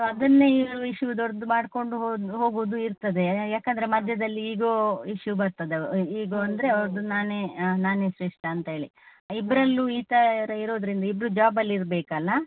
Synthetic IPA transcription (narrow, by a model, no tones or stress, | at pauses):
ɐd̪ɐnːeiɾuiʃjud̪ɔɾd̪umaːɖko̞ɳɖuɦoɦo̞ːɡuːd̪uiɾt̪ɐd̪e̞jaːkɐnd̪ɐɾe̞mɐd̪ʱjɐd̪ɐlːiiːɡoːiʂjubɐɾt̪ɐd̪eiːɡoːɐnd̪ɐɾe̞ɐʋɾd̪unaːneːnaːneːsɾeʂʈɐːnt̪ɐɦe̞ːɭḭibɾɐlːuiːt̪ɐɐɾɐiɾo̞ːd̪ɐɾind̪ɐibɾud͡ʒaːbɐlːiɾbeːkɐlːa